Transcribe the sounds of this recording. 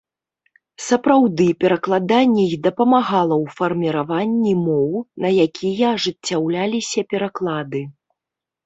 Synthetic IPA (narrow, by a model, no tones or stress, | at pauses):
sɐpɾawd̪ɨpʲɛɾɐklˠad̪anʲːɛixd̪ɐpɐmaɣalˠɐwfɐrmʲiɾavanʲːimɔwnɐjakʲijɐːʐɨt͡sʲːawlʲalʲisʲɐpʲɛɾaklˠad̪ɨ